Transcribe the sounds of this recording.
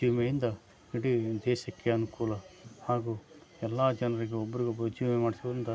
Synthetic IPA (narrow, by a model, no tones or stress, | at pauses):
d͡ʒiʋmejind̪ɐ | iɽid̪ɛːʃɐkːeɐnukuːlɐhaːɡuːɛlːaːd͡ʒɐnɐɾiɡeɔbːɐɾiɡobɐd͡ʒiːmemaːɽisiʋɐɾind̪ɐ